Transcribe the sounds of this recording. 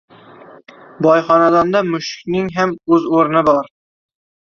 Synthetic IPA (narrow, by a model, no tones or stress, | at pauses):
bɒjχɒnad̪ɒnd̪amʊʃɪkʲnɪŋɦamɵzoɾnɪbɒɾ